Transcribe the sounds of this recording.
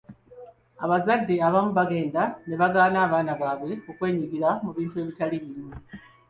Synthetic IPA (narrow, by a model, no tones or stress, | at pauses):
a̰βazadːe̞aβamuβaɡe̞ːndane̞βaɡaːnaːβaːnaβaːβwe̞kukwe̞ːɲuɡiɾamuβiːntue̞ːβitaliβime